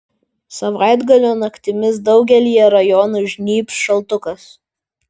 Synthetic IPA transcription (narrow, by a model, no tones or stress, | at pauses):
sɐʋɑˑɪd̪ɡɐlʲoːnɐkt̪ʲɪmʲɪsd̪ɒʊɡʲɛlʲɪjɛɾɐjɔnuʒʲnʲiːpʲsʃɐlˠt̪ʊkɐs